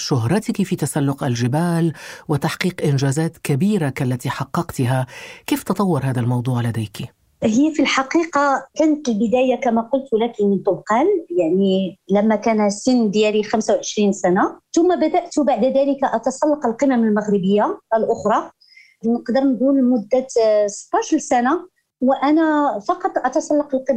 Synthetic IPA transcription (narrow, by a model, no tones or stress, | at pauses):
ʃʊɦɾˤɑt̪kifit̪asalːʊqʔælʒɪbæːlwɪt̪ɑħqiːqʔɪnʒæzæːt̪kabiːɾakalːæt̪iħɑqːɑqt̪ɦakiːft̪ɑt̪ˤɑwːɑɾˤɦæːd̪almɑwd̪ˤuːʕlæd̪ejki | həjːafilħɑqiːqɑkænət̪əlbəd̪æːjakæmæqʊlt̪wlækimənt̪ʊlqɑːljaʕnilæmːækænhæsənːd̪jælixæmsawʕəʃɾinsænat̪ʊmːabæd̪æʔt̪baʕd̪d̪æləkaʔɑt̪ɑsˤɑlːɑqəlqəmaməlmaɣɾəbəjːaəlʔʊxɾˤɑ | nəqd̪əɾnɡulmʊd̪ːat̪sb̪ɑʃlsæna | wʔænæfɑqɑt̪ˤʔɑt̪ɑsˤɑlːɑqəlqə